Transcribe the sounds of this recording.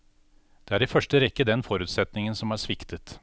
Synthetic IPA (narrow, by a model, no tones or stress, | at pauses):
d̪̥ɛæːɖɛfœʂʈəɾɛkːəd̪ɛnfɔɾʉːt̪sɛt̪nɪŋənsɔmæʂʋɪkt̪ət̪